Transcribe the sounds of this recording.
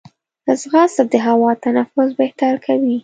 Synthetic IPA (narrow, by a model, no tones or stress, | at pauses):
əzɣɑsad̪əɦawɑt̪anafʊzbeht̪aɾkʰawi